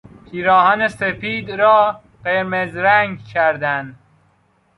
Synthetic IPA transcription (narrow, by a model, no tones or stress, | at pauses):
pʰiːɾɒːɦɒːnesefiːd̪ɾɒː | ɢeɾmezɾæŋɡcʲʰæɾd̪ænd̪